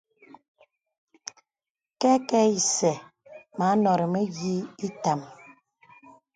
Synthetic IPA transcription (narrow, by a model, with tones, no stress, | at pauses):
kɛ˦kɛ˦i˨sɛ˨ma˨˦nɔ˨ɾe˨me˦ɣi˦i˦ta˨m